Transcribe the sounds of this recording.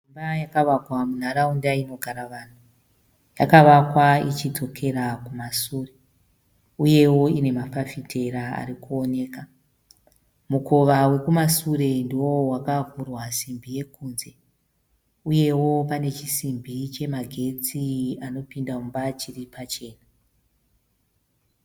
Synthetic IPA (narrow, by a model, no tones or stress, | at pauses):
imbajakaʋakwamun̤aɾaundaino̞ɡʱaɾaʋan̤u | jakaʋakwait͡ʃito̞kʰe̞ɾakumasuːre | uje̞wo̞ine̞mafafitʰe̞ɾaa̰ɾikuo̞ne̞ːka | muko̞ʋawe̞kumasuɾe̞ndiwo̞wakavurwasimbʱije̞kuːnze̞ | uje̞wo̞pane̞t͡ʃisimbʱit͡ʃe̞maɡʱe̞t͡siano̞pindaumbat͡ʃiripat͡ʃe̞ːna